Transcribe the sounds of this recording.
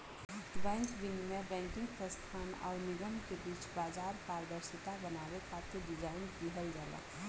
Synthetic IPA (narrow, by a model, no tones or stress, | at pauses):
bɛ̃ːŋkbɪnmebɛ̃ŋkɪ̃ŋɡpɾəst̪ʰaːnɔ̰ːɾnɪɡəmkebiːt͡ʃbaːd͡ʒaːɾpaːɾd̪əɾsɪt̪abənaːbekat̪iɖɪd͡ʒaːɪnd̪iɦəld͡ʒaːla̰